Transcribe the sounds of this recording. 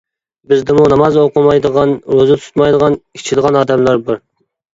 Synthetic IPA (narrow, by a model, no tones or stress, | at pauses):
bɪzd̪ɪmunɑmɑzoqəmɑjd̪əʁɑnɾøzɪt̪ʰʊ̥t̪mɑjd̪əʁɑnʲʰi̥t͡ʃʰɪd̪əʁɑnɑːd̪ɛmlˠɑɾbɑɾ